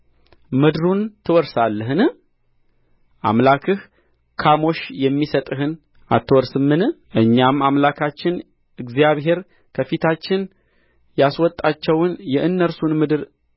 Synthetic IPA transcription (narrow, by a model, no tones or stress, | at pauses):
mɨd̪ɨɾunt̪ʰɨwɔɾsalːəɦɨnɨ | ʔa̰mlakʰɨh | kʰamo̞ʃjɛmːisət̪ʼɨhɨn | a̰t̪ʰːɨwɔɾsɨmːɨnʔɨɲːamamlakʰat͡ʃːɪn | ɨɡzijaβɦe̞ɾ | kʰəfit̪ʰat͡ʃːɪn | jaswɔt̪ʼːat͡ʃːɛwnjɛʔɨnːəɾsunmɨd̪ɨɾ